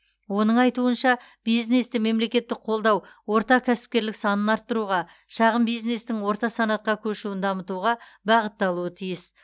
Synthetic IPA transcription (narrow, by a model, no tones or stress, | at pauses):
wo̞nəɴɑjt̪uənʃɑ | b̥ijzne̞st̪ɪme̞mle̞kʲe̞t̪ːɪk̚qʰo̞lˠd̪ɑw | wo̞ɾt̪ɑkʲʰæsɪ̥p̚kʲe̞ɾlɪksɑnənɑɾt̪ːəɾuʁɑ | ʃɑʁəmbijzne̞st̪ɪŋwo̞ɾt̪ɑsɑnɑt̪̚qɑkʲʰɵʃuwɪnd̪ɑmət̪uʁɑbɑʁət̪ːɑlˠuət̪ʰijɪs